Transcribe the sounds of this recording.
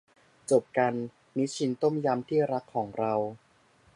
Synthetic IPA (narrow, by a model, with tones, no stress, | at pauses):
t͡ɕo˨˩p̚ka˧nː | i˦˥t͡ɕʰi˧˥nt̪o˥˩mja˧mt̪ʰiː˥˩ɾa˦˥kʰːɔː˩˦ŋɾa˧w